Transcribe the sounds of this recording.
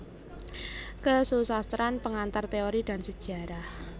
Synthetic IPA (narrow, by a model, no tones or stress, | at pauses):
kəsusast̪ɾanpəŋant̪art̪eoɾid̥a̤nsəd̥ʒ̥ä̤ɾah